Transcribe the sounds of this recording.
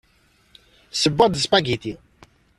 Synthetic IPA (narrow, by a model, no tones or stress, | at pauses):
səbːɑd̪əspæɡit̪i